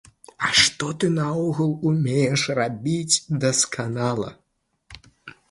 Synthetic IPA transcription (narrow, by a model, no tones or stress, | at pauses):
ɐʂt̪ɔt̪ɨnɐɔɣulˠumʲejɛʂrabʲit͡sʲd̪ɐskanalˠɐ̰